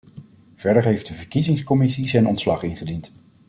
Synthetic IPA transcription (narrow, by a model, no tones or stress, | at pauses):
v̥ɛɹdəɹɦejfdəvəɹkizɪŋskɔmɪsizɛjnɔntslɑχɪnχədint